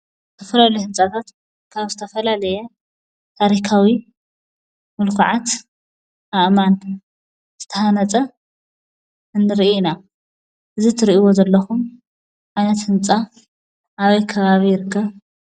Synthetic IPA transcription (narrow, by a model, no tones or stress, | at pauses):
t̪ʰɐfɐlalujhɨnt͡sʼat̪ʰat̪ | kʰaβzɨt̪ʰɐfɐlalɐjɛ | t̪ʰaɾikʰawi | mɨlkʰuʕat̪ | aʔman | z̥ɨt̪ʰɐhanɐt͡sʼɐ | ɨnːɨɾiʔna | ʔɨzit̪ʰɨɾiiwo̞zɐlːɐxum | ʕajnɐt̪hɨnt͡sʼa | ʔaβɐjkʰɐβaβijɪɾɨkʰːɐβ